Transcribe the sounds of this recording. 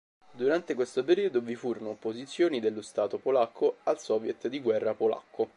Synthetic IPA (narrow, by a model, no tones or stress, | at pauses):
d̪uɾant̪ekwest̪opeɾiːod̪ovifuːɾonopozit̪sːjoːnid̪elːost̪aːt̪opolakʰːoalsɔvjet̪d̪iɡwɛrːapola̰kʰːo